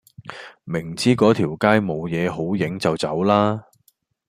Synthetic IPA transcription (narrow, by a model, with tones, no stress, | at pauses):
mɪ˨˩ŋt͡siː˥kɔː˨˥t̪ʰiː˨˩wkaː˥jmo˨˧wjɛː˨˧ɦo˨˥wjɪ˨˥ŋt͡sɐ˨wt͡sɐ̰˨˥wlaː˥